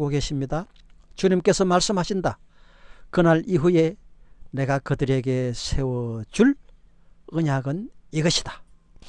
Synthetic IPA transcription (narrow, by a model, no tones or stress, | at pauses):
ɡoke̞ɕʰimɲida | t͡ɕuɲimk͈e̞sʰʌmaɭs͈ɯmhaɕʰinda | kɯnaɭiɦue̞ne̞ɡakɯdɯɾe̞ɡe̞sʰe̞wʌt͡ɕuɭ | ɯɲaɡɯniɡʌɕʰi̥d̥ḁ